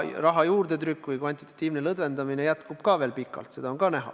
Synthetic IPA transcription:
rɑɦɑjuːrd̪̥e̞t̪rykːˑvɯjkvɑnʲt̪it̪ːˑɑ̥t̪ːiːvne̞lɤd̪ve̞nd̪ɑmine̞jæt̪kub̥kɑːve̞ːlpikːˑɑ̰lt̪se̞d̪ɑonkɑnæɦɑ̰

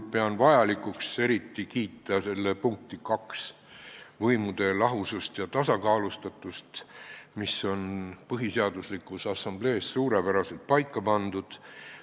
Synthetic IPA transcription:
pe̞ɑnvɑjɑlikˑukse̞ɾit̪ːikiːt̪ːˑɑse̞lːepuŋk̚t̪ikɑks | vɤjmud̪̥e̞lɑɦusust̪jɑt̪ɑsɑkɑːlust̪ɑt̪ːˑust̪miso̞npɤɦiseɑd̪uslikːˑusɑsɑmble̞ːssuːɾepæɾɑse̞lt̪̚pɑjkːɑpɑnd̪ud̪̥

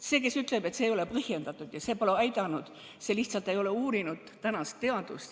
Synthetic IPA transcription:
seːke̞syt̪ˑle̞be̞t̪seːjo̞lepɤhje̞nd̪ɑt̪ːˑud̪̥jɑse̞ːpoleɑjd̪ɑnud̪̥ | se̞liht̪sɑlt̪ːˑe̞jo̞le̞uːɾinud̪̥t̪ænɑst̪ːe̞ɑd̪̥ust̪

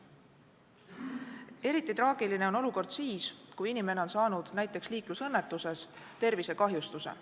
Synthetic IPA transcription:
e̞ɾit̪ˑːit̪rɑːɡ̥iline̞o̞no̞luko̞rd̪̥siːskujinime̞neo̞nsɑːnud̪̥næjt̪ːˑe̞ksliːklusɤ̞nːe̞t̪ːˑuse̞s | t̪e̞rvise̞kɑɦjust̪usḛ

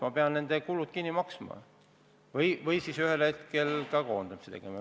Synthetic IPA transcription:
mɑpeɑnne̞nd̪̥ekulud̪̥̚kinːimɑksmɑ̰ | vɤjvɤjsisyhelhe̞t̪ke̞lkɑko̞ːnd̪̥ɑmiset̪e̞ɡ̥emɑ

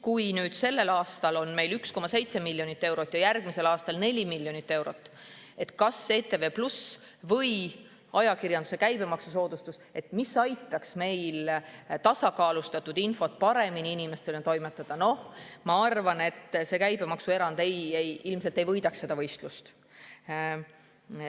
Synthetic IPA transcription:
kujnyːd̪̥se̞lːe̞lɑːst̪ɑlo̞nme̞jlyksko̞mɑse̞jt̪se̞milʲːjo̞nit̪ːe̞wɾo̞t̪ːˑjɑjærɡ̥mise̞lɑːst̪ɑlne̞lʲimilːjo̞nit̪ːe̞wɾo̞t̪ːˑ | e̞t̪kɑse̞ːt̪e̞ve̞plus | vɤ̞j | ɑjɑkirjɑnd̪use̞kæjbe̞mɑksuso̞ːd̪̥ust̪use̞t̪misɑjt̪ːˑɑksme̞jlt̪ɑsɑkɑːlust̪ɑt̪ːˑud̪̥info̞t̪̚ˑpɑɾe̞miniinime̞st̪e̞lent̪o̞jmet̪ːˑɑd̪̥ɑno̞h | mɑɑrvɑne̞t̪ːse̞kæjbe̞mɑksue̞ɾɑnd̪̥e̞jejilmselt̪ˑe̞jvɤjd̪̥ɑksed̪ɑvɤ̞jst̪lust̪

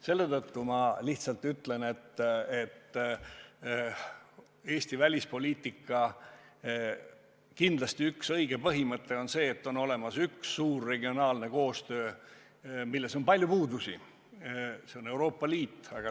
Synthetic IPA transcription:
se̞lːe̞t̪ɤt̪ːumɑliht̪sɑlt̪yt̪le̞ne̞t̪ːet̪ː | e̞ːsʲt̪ivælʲispo̞lʲiːt̪ːˑikːˑɑ | kind̪̥lɑst̪iyksɤjɡ̥e̞pɤɦimɤt̪ːe̞o̞nse̞ːt̪ːo̞no̞le̞mɑsyksːuːrːe̞ɡio̞nɑːlne̞ko̞ːst̪ø̞ː | milːe̞so̞npɑlʲjupuːd̪usi | se̞o̞ne̞wɾo̞ːpːɑliːt̪ˑːɑɡ̥ɑ

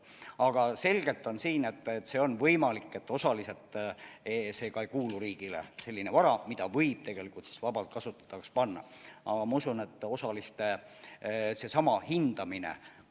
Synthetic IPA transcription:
ɑɡ̥ɑse̞lɡ̥e̞lt̪ːˑo̞nsiːne̞t̪ːet̪ːse̞ːo̞nvɤjmɑlikːˑe̞t̪ːo̞sɑliset̪ːˑese̞ːkɑejkuːluɾiːɡ̥ilḛse̞lʲːinevɑɾɑmid̪̥ɑvɤjb̥̚t̪eɡ̥e̞likult̪si̥svɑb̥ɑlt̪̚kɑsut̪ːˑɑ̥t̪ːˑɑkspɑnːɑ̰ɑɡ̥ɑmɑusune̞t̪ːˑo̞sɑlist̪e | se̞sɑmɑhind̪̥ɑminḛ

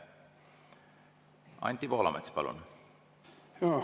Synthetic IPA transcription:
ɑ̰nʲt̪ʲːipo̞ːlɑ̰met̪spɑlṵn | o

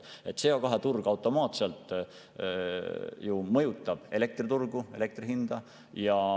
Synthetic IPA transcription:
e̞t̪ːse̞okɑɦe̞t̪urɡ̥ɑwt̪ːo̞mɑːt̪se̞lt̪ˑ | jumɤjut̪ˑːɑb̥e̞le̞k̚t̪rit̪urɡ̥ue̞le̞k̚t̪riɦind̪̥ɑ | jɑ

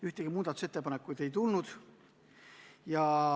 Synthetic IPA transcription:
yht̪eɡ̥imuːd̪̥ɑt̪u̥se̞t̪ːepɑnekːˑujd̪̥e̞jt̪ulnud̪̥ | jɑ

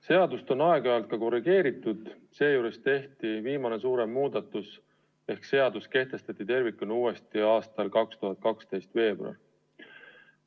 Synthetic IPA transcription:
se̞ɑd̪ust̪o̞nɑeɡ̥ɑɑlt̪̚kɑko̞rːiɡ̥e̞ːɾit̪ːˑud̪̥ | se̞ːjuːɾe̞st̪e̞ht̪iviːmɑne̞suːɾe̞mːuːd̪ɑt̪ːˑus | e̞hkse̞ɑd̪̥uske̞ht̪e̞st̪ɑt̪ːˑit̪e̞rvikːunuːe̞st̪iɑːst̪ɑlkɑkst̪uɦɑt̪̚kɑkst̪e̞jst̪ve̞ːb̥rɑ̰l

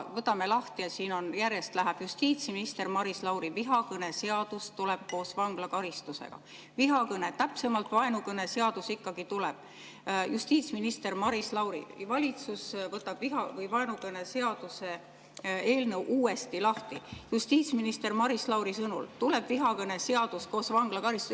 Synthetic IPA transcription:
vɤt̪ːˑɑme̞lɑht̪iɑsiːno̞njærje̞st̪læɦæb̥just̪iːt̪sminist̪e̞rmɑɾislɑwɾiviɦɑkɤne̞se̞ɑd̪̥ust̪ule̞b̥̚ko̞ːsvɑŋɡ̥lɑkɑɾist̪usḛɡ̥ɑ̰ | viɦɑkɤne̞t̪æpse̞mɑlt̪ːˑvɑenukɤnese̞ɑd̪̥usikːɑɡ̥it̪uleb̥ | just̪iːt̪sminist̪e̞rmɑɾislɑwɾḭvɑlʲit̪susvɤt̪ːˑɑb̥viɦɑvɤjvɑenukɤne̞se̞ɑd̪̥use̞ | e̞ːlnɤwʔuːe̞st̪ilɑht̪ijust̪iːt̪sminist̪e̞rmɑɾislɑwɾisɤnṵlt̪uleb̥viɦɑkɤne̞se̞ɑd̪̥usko̞ːsvɑŋɡ̥lɑkɑɾist̪u

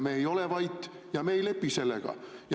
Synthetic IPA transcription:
mejo̞levɑjt̪ː | jɑmejle̞pːise̞lːḛɡ̥ɑ̰j

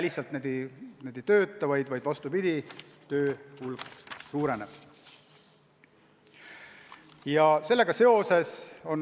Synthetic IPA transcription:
ælisɑlt̪ned̪ened̪̥ejt̪ø̞ːt̪ˑːɑvɑjd̪̥vɑjd̪̥vɑst̪upid̪̥it̪ø̞ːhulɡsuːɾe̞ne̞b̥ | jɑse̞lːe̞ɡ̥ɑse̞o̞se̞so̞n

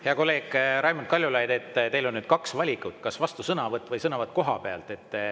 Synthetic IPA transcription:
heɑko̞lːe̞ːɡ̥ɾɑjmunt̪̚kɑlʲjulɑjd̪e̞t̪ːˑt̪elo̞nnyd̪̥kɑksvɑlʲikːˑut̪ːˑkɑsvɑst̪usɤnɑvɤt̪ːˑvɤjsɤnɑvɑt̪ˑko̞ɦɑpe̞ɑ̰lt̪ˑe̞t̪ːˑ

